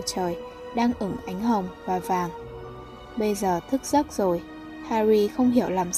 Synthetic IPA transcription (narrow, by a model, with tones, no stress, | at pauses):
t͡ɕəː˨˩j | ɗaː˧ŋʔɨ˧˩ŋʔa˨˦jŋ̟ɦə˨˩wŋ͡mvaː˨˩vaː˨˩ŋ | ɓə˧jzəː˨˩t̪ʰɨ˦˥k̚z̥ə˦˥t̚z̥o˨˩j | haː˧ɾi˧xə˧wŋ͡mɦi˧˩əwlaː˨˩m